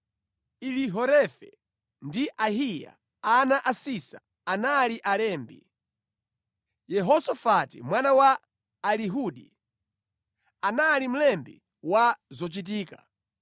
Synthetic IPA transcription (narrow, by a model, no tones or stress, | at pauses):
iliɦɔɾɛfɛ̰ | ndiʔaɦija̰ | anaʔasisa̰ | analiʔalɛːmbḭ | jɛɦɔsɔfatḭmwanawaː | liɦuɗi | analim̩lɛmbḭ | wazɔt͡ʃit̬iːka̰